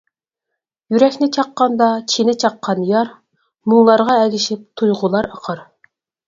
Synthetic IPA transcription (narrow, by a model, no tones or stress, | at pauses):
jyɾɛkʲnɪt͡ʃʰɑqːɑnd̪ɑt͡ʃʰinɪt͡ʃʰɑqʰːɑnjɑɾ | muŋlˠɑɾʁɑɛɡʲɪʃɪp̚t̪ʰujʁʊlˠɑɾɑqʰɑɾ